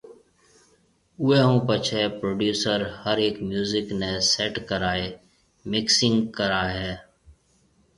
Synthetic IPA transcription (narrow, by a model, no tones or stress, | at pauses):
ʊːeːɦũːpət͡ʃʰeːpɾoːɖjuːsəɾhəɾeːkmjuːzɪkneːseːʈkəɾaːeː | mɪksɪŋɡkəɾaːɦɛː